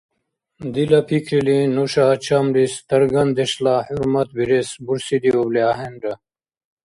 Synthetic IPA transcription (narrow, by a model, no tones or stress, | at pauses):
d̪ilɐpʰikʰɾilĩnoɕaːt͡ɕʰamɾist̪ɐɾɡɐnd̪eɕlahuɾmɐt̪̚biɾesbuɾsid̪iobleaɦenɖɐ